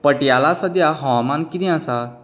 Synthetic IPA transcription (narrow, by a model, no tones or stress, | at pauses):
pəʈjalasəd̪jaɦɔ̃wamankid̪ĩasa